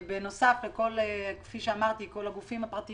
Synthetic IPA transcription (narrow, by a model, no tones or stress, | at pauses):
beno̞safleko̞lekfiʃeamaʁt̪iko̞laɡufimhapʁat̪i